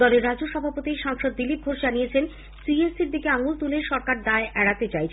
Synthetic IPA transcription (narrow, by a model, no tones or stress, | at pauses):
ɔleɾːad͡ʑoʃɔbʱapot̪iʃaŋʃod̪ːilip̚ɡʱoʃd͡ʑanijet͡ɕʰen | siesiɾd̪ikeaŋult̪uleɾʃɔɾkaɾd̪aeʔɛɽat̪et͡ɕajt͡ɕʰ